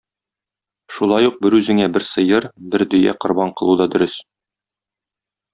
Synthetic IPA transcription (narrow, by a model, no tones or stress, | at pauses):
ʃulˠɑjuq̚bɘɾʉzɘ̆ŋæbɘɾsɤ̆jɤɾbɘɾd̪ɵ̆jæ̰qŏɾbɑɴqɤ̆lˠud̪ɑd̪ɵ̆ɾɘs